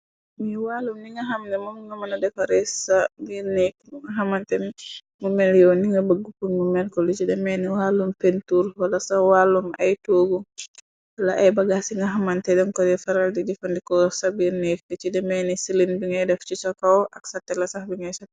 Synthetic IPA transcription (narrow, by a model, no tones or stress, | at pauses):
miwalːumniŋɡɐɦamnɛmɔmŋɡɐmɐnadɛfaɾɛsabiɾnɛk̚ŋɡɐɦamantɛmi | mumɛljɔwniŋɡɐbəɡːupunmumɛlkɔlit͡ʃidɛmɛniwalːumpentuɾwɐlɐsawalːuma̰jtoɡu | wɐlaʔajbɐɡasiŋɡɐɦamantɛdɔnkɔdɛfaɾaldid͡ʒifandikɔsabiɾnɛk̚dit͡ʃidɛmɛnisilinbiŋɡɐjdɛft͡ʃisɔkawʔɐksatːɛlasahbiŋɡajsat